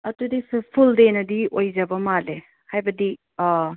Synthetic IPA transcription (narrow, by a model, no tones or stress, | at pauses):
ɐtudisupʰuldenɐdiojzɐbɐmale | hajbɐdi